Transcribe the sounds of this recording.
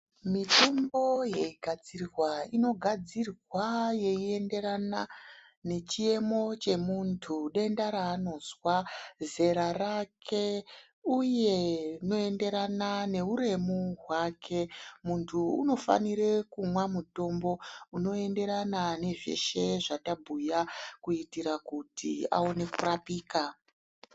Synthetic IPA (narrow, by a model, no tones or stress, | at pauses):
mitombo̞je̞iɡʱad͡zirrwaino̞ɡʱad͡zirwaje̞ie̞nde̞ɾana | ne̞t͡ʃie̞mo̞t͡ʃe̞muntʰuɗe̞ndaɾaːno̞zwaze̞ɾarakʰe̞ | uje̞no̞e̞nde̞ɾanane̞uɾe̞muɦwakʰe̞muntʰṵːno̞fa̰niɾe̞kumwamuto̞mbo̞uno̞e̞nde̞ɾanane̞ʐḛʃe̞ʐatabʱujakuitiɾakutia̰o̞ne̞kurapiːka